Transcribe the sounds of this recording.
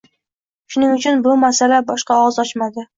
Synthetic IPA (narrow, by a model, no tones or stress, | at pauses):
ʃʊnɪŋʊt͡ʃʰʊnbʊmasalabɒʃqɑɒzɒt͡ʃmad̪ɪ